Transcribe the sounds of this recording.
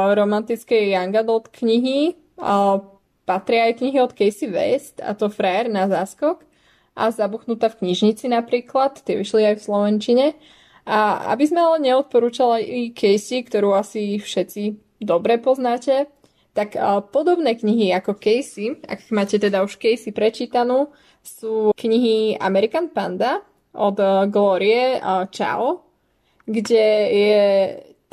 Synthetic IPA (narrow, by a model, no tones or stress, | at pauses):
ɾɔmant̪it͡skɛjaŋɡad̪ɔt̪kɲiɦi | pat̪ɾɪaajkɲiɦiɔt̪kɛjsiʋɛ̰st̪a̰t̪ɔfɾɛɾnazaːskɔk | ʔa̰zabuxnut̪aːfkɲiʒɲit͡sinapɾiːklat̪ːɪɛʋiʃliajfslɔʋɛnt͡ʃiɲɛ | aa̰bizmɛalɛɲɛɔt̪̚pɔɾuːt͡ʃalajikʰɛjsikt̪ɔɾuːasifʃɛt͡si | d̪ɔbɾɛpɔznaːcɛ | t̪akpɔd̪ɔbnɛːkɲiɦiakɔkɛjsia̰kmaːcɛt̪ɛd̪auʃkɛjsipɾɛt͡ʃiːt̪anuː | suːkɲiɦia̰mɛɾikanpa̰nd̪a | ʔɔd̪ɡlɔːɾiɛt͡ʃa̰ɔ | ɡɟɛjɛ